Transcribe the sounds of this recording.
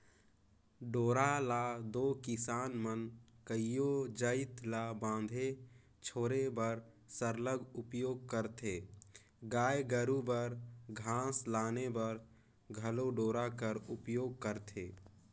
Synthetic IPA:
ɖoːɾalad̪oːkɪsaːnmənkəijod͡ʒəɪt̪labãːnd̪ʱe | t͡ʃʰoːɾebəɾ | səɾləɡʊpjoːɡ̚kəɾt̪ʰeː | ɡaːjɡəɾubəɾɡʱãːslaːnebəɾ | ɡʱəloɖoːɾakəɾʊpjoːɡ̚kəɾt̪ʰeː

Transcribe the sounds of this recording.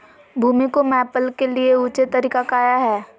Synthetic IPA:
bʱuːmikomɛːpəlkelieut͡ʃet̪ɐɾiːkakaːjaɦɛː

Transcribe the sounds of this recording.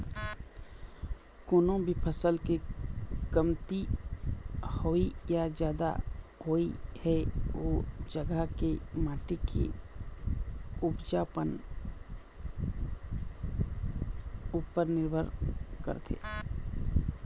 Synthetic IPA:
koːnõbʱipʰəsəlkekəmt̪i | hoːijad͡ʒjaːd̪a̰ɦoːihɛʋoːd͡ʒəɡəkemaːʈekḛ | ʊpd͡ʒaːpən | uːpəɾnɪɾbʱəɾkə̰ɾt̪ʰḛː

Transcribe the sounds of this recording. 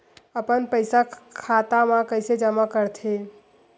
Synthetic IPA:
əpənpəɪsakʰat̪amãkəɪsed͡ʒəmakəɾt̪ʰe

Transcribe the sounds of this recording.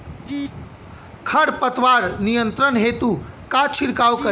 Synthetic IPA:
kʰɐɽpət̪ʋaːɾnijənt̪ɾənɦeːt̪ukat͡ʃʰiɾkawkə

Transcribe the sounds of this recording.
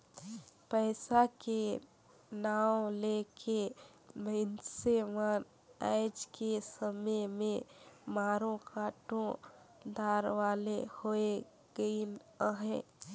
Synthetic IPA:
pəɪsake | naːwlekʰe | məɪnseʋan | a̰ɪd͡ʒkesəməjmẽmaːɾõkaːʈõ | d̪aːɾʋaːlehoe | ɡəinəɦɛ̃

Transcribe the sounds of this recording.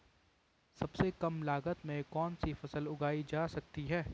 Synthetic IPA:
sɐbsekɐmlaːɡət̪mẽkɔːnsifɐsəlʊɡaːid͡ʒaːsɐk̚t̪iɦɛː

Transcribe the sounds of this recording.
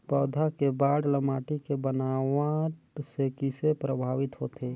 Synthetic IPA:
pəːd̪ʱakebaːɽləmaːʈikebənaːʋaʈsekisepɾəbʱaːʋɪt̪ɦoːt̪e

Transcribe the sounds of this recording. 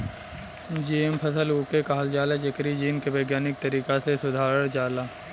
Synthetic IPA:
d͡ʒiːempʰɐsəluːkekaːəld͡ʒaːlad͡ʒɐkɾid͡ʒiːnkebeːɡjaːnɪk̚t̪ɐɾiːkasesʊd̪ʱaːɾəɽ̃d͡ʒaːlaː

